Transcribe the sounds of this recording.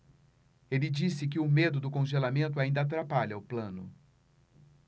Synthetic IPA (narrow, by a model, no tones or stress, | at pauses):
elɪd͡ʒisɪk̬ɪʊmed̪ʊd̪ʊkõʒelamẽnt̪ʊaĩnd̪at̪̬ɾapaʎɐʊplɐ̃nʊ̰